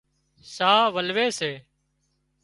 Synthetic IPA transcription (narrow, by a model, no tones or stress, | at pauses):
saːʋəlʋeːseː